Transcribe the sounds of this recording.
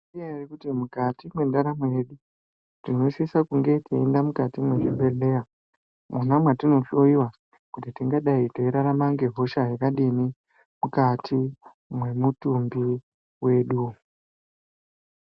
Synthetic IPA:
ijairikutimukatimwe̞ndaɾamweɗu | tino̞isisakuŋɡe̞tʰeendamukatimweʐimbe̞ɮeja | mʔunamwatino̞tioiwa | kutitiŋɡaɗaiteiɾaɾamaŋɡe̞ɦo̞ʃaɦekaɗini | mukatʰi | mwe̞mutumbi | we̞ːɗu

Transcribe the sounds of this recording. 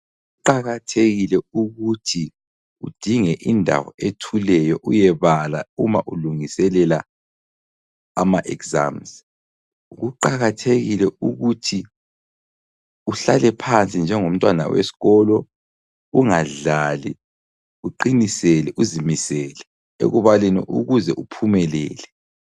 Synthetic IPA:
uɣuǃaɣatʰeɣilɛuɣutʰi | ud̥ʱiŋɛʔindʱa̰wɔ̰etʰulɛjɔʔujɛβala̰umaʔuluŋisɛlɛla | amaʔɛkza̰mz | uɣuǃaɣatʰeɣilɛʔuɣutʰi | uɬalɛpʰant͡sʼind͡ʒʱɛŋom̩tʼwana̰wḛsi̥ɣɔlɔ | uŋaɮalḭ | uǃinisɛlɛʔuzimisɛlɛ | ḛɣuβaliniʔṵɣuzɛʔupʰumɛlɛːlɛ

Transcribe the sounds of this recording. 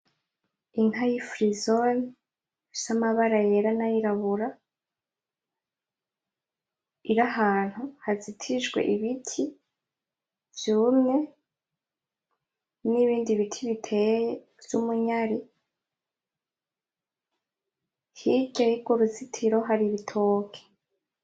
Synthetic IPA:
inŋ̥hajifɾizon | i̥samaβaɾajeɾanajiɾaβuɾa | iɾahaːn̥huhazitʰiʒɡwe̞̰ʔiβitʰi | vjuːmŋe̞ | niβiːndiβitʰiβitʰej | v̥jumuɲaɾi | hid͡ʒajiɡuɾuzitʰiɾo̞ɦaɾiβitʰoːkʰe̥

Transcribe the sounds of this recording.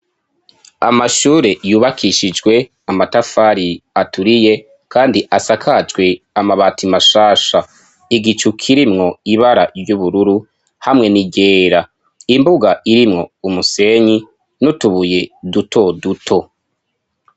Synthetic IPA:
a̰maʃuːɾe̞juːβakʰiʃid͡ʒɡwe̞ | amatafaɾiatuɾije̞ | kʰaːndiʔasakʰad͡ʒɡwe̞ | amaβaːtimaʃaːʃa | iɡit͡ʃukʰiɾimŋo̞iβaɾaɾjuβuɾuɾu | hamŋe̞niɟeːɾa | imbuɡaiɾimŋo̞umuse̞ɲi | nutuβuje̞dutʰo̞dutʰo̞

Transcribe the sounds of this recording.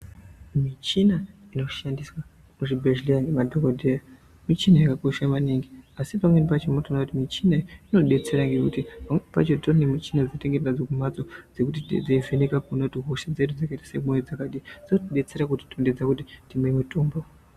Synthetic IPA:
mit͡ʃinaino̞ʃandiswa | muʐibʱeʒlianemadʱokodʱeja | mit͡ʃinajakako̞ʃamaniːŋɡiasipamwenpat͡ʃomunotoonakutimit͡ʃinaino̞ɗe̞t͡se̞ɾaŋɡe̞kutipamwepa̰t͡ʃotornemit͡ʃinad͡zinoteŋɡererad͡zokumat͡so̞d͡ze̞kutitd͡zeivenekakunotiɦoʃad͡ze̞ɗud͡zakaitḁsemoned͡zakaɗid͡ziotiɗe̞t͡se̞ɾakuti̥tonded͡zakut̬itimemutoːmbo

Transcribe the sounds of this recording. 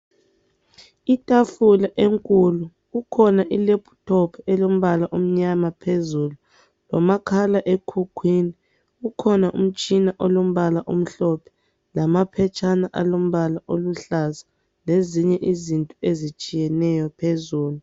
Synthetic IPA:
itʼafulaʔeŋkʼulu | ukʰɔnaʔilepʰu̥tʰɔpʰɛlom̩βalaʔum̩ɲamapʰezulu | lɔmakʰalaʔekʰukʰwini | ukʰɔnaʔum̩t͡ʃʼinaʔɔlom̩βalaʔum̩ɬɔpʰɛ̥ | lamapʰɛt͡ʃʰʼanaʔalom̩βalaʔoluɬaza | leziɲɛʔizintʼuezit͡ʃʼijɛnɛjɔpʰezuːlu

